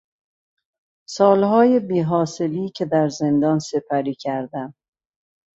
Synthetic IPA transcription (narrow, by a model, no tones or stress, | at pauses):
sɒːlɦɒːje̞biːɦɒːse̞liːcʰe̞d̪æɾze̞nd̪ɒːnse̞pʰæɾiːcʰæɾd̪æm